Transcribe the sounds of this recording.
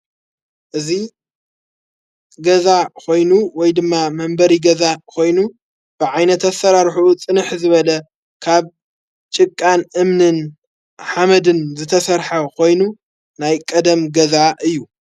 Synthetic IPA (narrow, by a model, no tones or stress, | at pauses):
ʔɨzi | ɡɐzakʰo̞jnuwɔjd̪ɨmːamɐmbɐɾiɡɐzakʰo̞jnu | b̥ɨʕajnɐt̪ɐsɐɾaɾħut͡sʼɨnɨħzɨβɐlɐ | kʰaβ | t͡ʃʼɨkʼːanɨmnɨn | ħamɐd̪ɨnzɨt̪ʰɐsɐɾħɐkʰo̞jnu | najkʼɐd̪ɐmɡɐzaʔɨjːu